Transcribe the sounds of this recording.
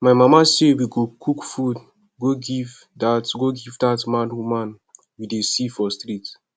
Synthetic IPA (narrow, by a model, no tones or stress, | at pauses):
maɪmamasewiɡokʰukfud | ɡoɡiv | datɡoɡivdatmãnwumãn | widesifɔstɾit